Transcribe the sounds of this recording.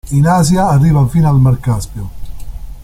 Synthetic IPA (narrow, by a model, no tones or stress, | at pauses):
inaːzjaːrːiːvafiːnalmarkaspjo